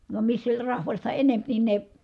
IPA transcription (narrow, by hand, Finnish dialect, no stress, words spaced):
ʋɑm misːæ olʲ rɑhʋɑstɑ enemp nin ne